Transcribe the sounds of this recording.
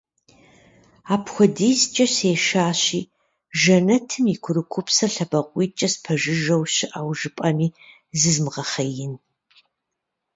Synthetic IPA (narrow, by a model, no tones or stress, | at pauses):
aːpxʷɔdejzt͡ʃʼɐɕeːʃaːɕiː | ʒɐnɐtʰɨmikʷʰʊɾɨkʷʰʊpsɐɬɐbɐqʷʼiːt͡ʃʼɐspʰɐʒɪʒɐwɕɪʔaːwʒɨpʼɐmiː | zɨzmʁɐχɐjɪn